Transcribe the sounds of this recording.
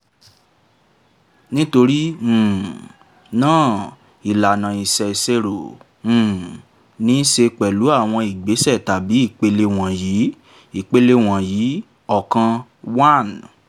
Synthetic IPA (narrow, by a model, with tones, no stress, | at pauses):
nĩ˦to˧ɾĩ˦˨ | nãː˦˨ | i˨la˨nã˨i˨sɛ˨i˨se˧ɾõ˨ | nĩ˨˦ʃe˧k͡pɛ˨lu˨˦a˦˨w̃ɔ̃˧i˨ɡ͡be˨˦sɛ˦˨ta˨bi˨˦i˦˨k͡pe˧le˧w̃ɔ̃˨ji˨˦ | i˦˨k͡pe˧le˧w̃ɔ̃˨jiː˨˦ | ɔ˦˨kã˧ | wa˦˨n